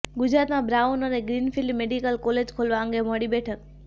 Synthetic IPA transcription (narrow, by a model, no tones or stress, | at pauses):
ɡʊd͡ʑɾaːt̪mãbɾaːʊnənẽɡɾiːnfʰilmeːɖikəlkoːleːd͡ʑkʰoːlʋaə̃ŋɡemoɽibeːʈʰək̚